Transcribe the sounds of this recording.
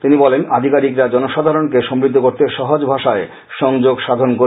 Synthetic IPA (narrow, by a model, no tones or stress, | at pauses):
t̪inibɔlenad̪ʱikaɾikɾad͡ʑɔnoʃad̪ʱaɾonkeʃomɾid̪ʱːokoɾt̪eʃɔɦod͡ʑbʱaʃae | ʃɔŋd͡ʑoɡʃad̪ʱonko